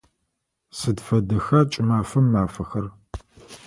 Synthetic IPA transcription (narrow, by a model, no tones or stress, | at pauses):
sɨdfɐdɨxɐt͡ʃʼɪmaːfɐmːaːfɐxɐr